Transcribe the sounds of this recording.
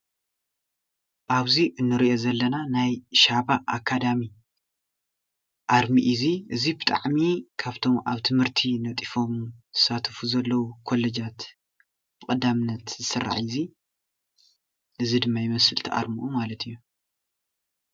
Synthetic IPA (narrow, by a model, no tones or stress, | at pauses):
ʔaβziʔɨnːɨɾiʔo̞zɐlːɐnanajʃaβaʔːkʰːad̪ami | ʔaɾmiʔɨziʔɨzibɨt̪ʼa̰ʕmikʰaβt̪ʰo̞mʔa̰βt̪ʰɨmhɨɾt̪ʰinɐt̪ʼifo̞mz̥ɨsat̪ʰɐfuzɐlːɐwukʰo̞lːed͡ʒat̪ | b̥ɨkʼɐd̪amɨnːɐt̪zɨsɨrːa̰ʕɪzi | ʔɨzid̪ɨmːajɪmɐsɨlt̪ʰiʔa̰ɾmuʔumalɐt̪ʰɨjːu